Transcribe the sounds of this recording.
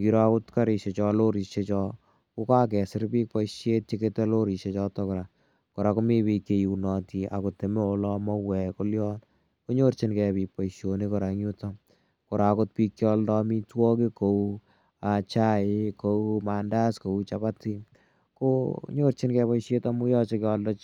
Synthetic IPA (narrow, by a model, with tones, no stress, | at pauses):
ŋɡi˨ɾa˦kʊ˦tkaɾi˨ʃe˨t͡ʃɔlo˦ɾi˨ʃe˦t͡ʃɔ˦ | ko˦ka˦k̬ɛ˨sɪ˦ɾpiː˦k̚pɔ˦iʃje˦t̚t͡ʃe˦ketɛ˦lo˦ɾi˨ʃe˦t͡ʃɔ˦tɔ˦kʊɾa˨ | ko˨ɾa˨ko˦mi˦piː˧ke˨ju˨nɔti˨ʔa̰˨kʊ˨tːe˨me˦o˨lɔ˦mɔ˦wɛ˨ko˦ljɔː˦n | ko˦ɲo˦ɾt͡ʃɪ˦nkɛ˨piː˨pɔiʃjo˨ni˦ko˨ɾa˨ŋju˦tam | ko˨ɾa˨ko˦t̚piː˧kːjɔ˦ldɔ˦mi˦twɔ˦kiko˨u | at͡ʃa˦ɪko˦uma˨nda˦sko˨u˦t͡ʃabati | koɲo˦ɾt͡ʃɪ˦nkɛpɔ˦iʃeta˦mu˦jɔ˦t͡ʃekjɔ˧ldɔ˦